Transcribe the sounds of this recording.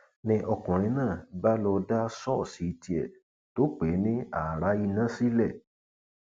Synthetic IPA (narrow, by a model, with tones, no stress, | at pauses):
nĩ˧ʔɔ˧kɔ̃˨ɾ̃ĩ˨˧˦nãː˦˨ba˦lɔ˧da˦sɔ˦˨si˨˦˧ti˧ɛ˨ | to˨˦k͡pe˨˦nĩ˦a˨ɾa˨˦i˧nã˦si˦lɛ˦˨